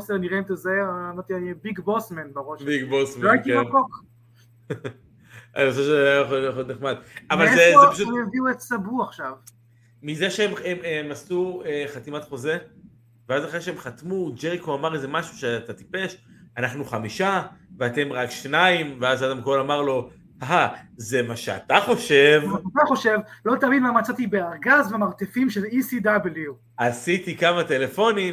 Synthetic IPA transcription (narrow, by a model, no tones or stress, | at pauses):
oseniʁent̪ezemaʁt̪ianibiɡbosmenbaʁoʃbiɡbosmleoajit̪iemankok | a̰noseʃejjeχoljeχod̪neχmad̪avalzeepaʃueviuet̪sabuaχʃav | mizeʃeemememasueχat̪imat̪χo̞ze | veazaχeʃeemχat̪mud͡ʒeʁikoamaʁezemaʃu̥ʃeat̪at̪i̥pe̞ʃanaχnuχamiʃaveat̪e̞mʁakʃnaimveazadamko̞lamaʁlo̞ | aɦazemaʃea̰t̪aχo̞ʃe̞vaat̪aχo̞ʃe̞vlot̪aːminmamat͡sat̪ibeaʁɡazvemaʁt̪efimʃelisid̪abli | asitikamat̪e̞le̞fo̞nim